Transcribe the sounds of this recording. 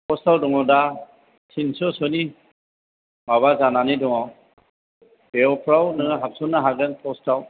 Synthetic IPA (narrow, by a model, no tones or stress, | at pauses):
pʰɔstawdɔŋɔda | tʰinsɔsɔni | maβazananidɔŋaw | beɔpʰɾawnɯɦap̚sɔnːaɦaɡɯnpʰɔstaw